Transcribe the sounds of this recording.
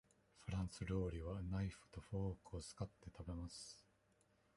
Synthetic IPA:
ɸɯ̟ɾãɰ̃sɨɾo̞ːɾʲiβanaiɸɯ̟̥t̪o̞ɸoːkɯ̟ot͡sɨ̥kat̪ːe̞t̪abe̞masɨ̥

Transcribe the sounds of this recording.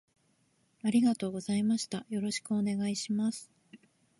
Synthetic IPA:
aɾʲiɡat̪o̞ːɡo̞zaimaɕi̥t̪ajo̞ɾo̞ɕi̥kɯ̟one̞ɡaiɕimasɨ̥

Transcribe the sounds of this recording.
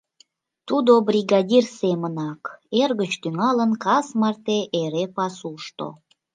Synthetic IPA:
t̪ud̪obrʲiɣɑdʲirsemənɑkerɣət͡ɕt̪yŋɑlənkɑsmɑrt̪eʔeɾepɑsuʃt̪o̰

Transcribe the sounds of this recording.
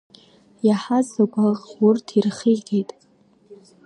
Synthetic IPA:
jaħazakʷʼaʁwʊrtʰirχiɡʲejtʼ

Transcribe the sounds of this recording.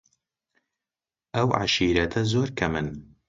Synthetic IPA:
ʔɐwʕa̰ʃiːɾɐt̪ʰɐzoːɾkʰɐmɨn

